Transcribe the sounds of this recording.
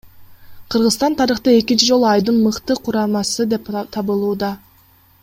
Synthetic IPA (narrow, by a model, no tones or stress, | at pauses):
qʰɯɾʁɯzst̪ɑnt̪ʰɑɾɯχt̪ɑe̞kʲint͡ʃid͡ʒo̞lˠuɑjd̪ɯnmɯqt̪ɯqʰuɾɑmɑsɯd̪e̞p̚t̪ʰɑβɯlˠuːd̪ɑ